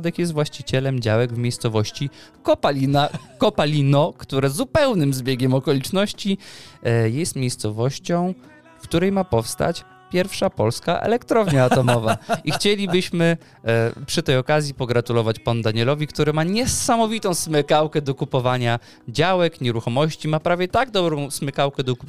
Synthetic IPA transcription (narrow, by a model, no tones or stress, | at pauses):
d̪ɛkjɛst̪vwaɕt͡ɕit͡ɕɛlɛmd͡ʑawɛɡvmʲejst̪sɔvɔɕt͡ɕikɔpainakɔpalʲinɔkt̪uɾɛzupɛwnɘmzbʲjeɡʲɛmɔkɔlʲit͡ʂnɔɕt͡ɕi | jɛjɛst̪mʲjejst̪sɔvɔɕt͡ɕɔ̃w̃ | kt̪uɾɛjmapɔfst̪a̰t͡ɕ | pʲjɛɾfʂapɔlska̰ʔɛ̰lɛkt̪ɾɔvɲaat̪ɔmɔvaʔixt͡ɕelʲibɘɕmɘ | pʂɘt̪ɛjɔkazʲjipɔɡɾat̪ulɔvat͡ɕpand̪aɲɛlɔvʲikt̪uɾɘmaɲɛsamɔvʲit̪ɔ̃w̃smɘkawkɛd̪ɔkupɔvaɲa | d͡ʑawɛkɲɛɾuxɔmɔɕt͡ɕimapɾavʲjɛt̪aɡ̚d̪ɔbɾɔ̃w̃smɘkawkɛd̪ɔku